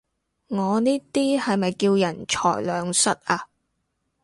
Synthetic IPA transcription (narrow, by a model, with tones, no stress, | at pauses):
ŋɔː˨˧niː˥t̪iː˥hɐ˨jmɐ˨jkiː˧wjɐ˨˩nt͡ʃʰɔ̰ː˨˩jlœː˨˧ŋsɐ˥t̚ʔaː˧